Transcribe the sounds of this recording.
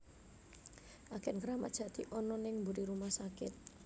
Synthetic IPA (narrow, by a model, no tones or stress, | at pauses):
ʔakɛnɡəɾamad̥ʒ̥a̤t̪iʔɔnɔnɪŋmbuɾiɾumahsakɪt̪̚